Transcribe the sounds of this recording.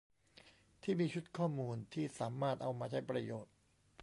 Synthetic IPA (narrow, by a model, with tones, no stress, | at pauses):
t̪ʰiː˥˩miː˧t͡ɕʰu˦˥t̪̚kʰɔː˥˩muː˧nt̪ʰiː˥˩saː˩˦maː˥˩t̪̚ʔa˧wmaː˧t͡ɕʰa˦˥˩jpɾa˧joː˨˩t̪̚